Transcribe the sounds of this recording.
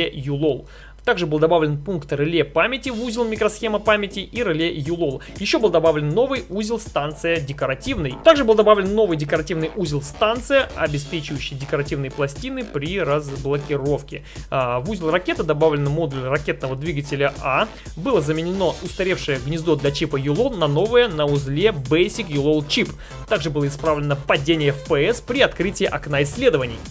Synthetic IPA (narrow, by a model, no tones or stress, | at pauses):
ejʊlˠolˠ | t̪aɡʐɨbɨlˠd̪ɐbavlʲɪnpunkt̪rɨlʲepamʲɪtʲɪvuzʲɪlˠmʲɪkɾɐsxʲe̞məpamʲɪtʲɪʔiɾɨlʲejʊlˠo̞lˠjɪɕːo̞bɨlˠd̪ɐbavlʲɪnːo̞vɨjuzʲɪlˠst̪ant̪sɨjədʲɪkəɾɐtʲivnɨjt̪aɡʐɨbɨlˠd̪ɐbavlʲɪnːo̞vɨjdʲɪkəɾɐtʲivnɨjʔuzʲɪlˠst̪ant̪sɨjəɐbʲɪspʲet͡ɕɪvəjɕːɪjədʲɪkəɾɐtʲivnɨjəplˠɐsʲtʲinɨpɾʲɪrəzblˠəkʲɪɾo̞fkʲɪ | vuzʲɪlˠrɐkʲe̞t̪əd̪ɐbavlʲɪnmo̞d̪ʊlʲrɐkʲe̞t̪nəvəd̪vʲiɡətʲɪlʲəʔa | bɨlˠəzəmʲɪnʲɪno̞ʊst̪ɐɾʲe̞fʂɨjəɡnʲɪzd̪o̞d̪lʲɐt͡ɕipəjʊlˠolˠnɐno̞vɨjənəʊzlʲe̞bɛjsʲɪkjʊlˠolˠt͡ɕip | t̪aɡʐɨbɨlˠəɪspɾavlʲɪnəpɐdʲenʲɪjəfpɛɛspɾʲɪɐt̪kɾɨtʲɪːʔɐknaɪsʲːlʲe̞d̪əvənʲɪ̰j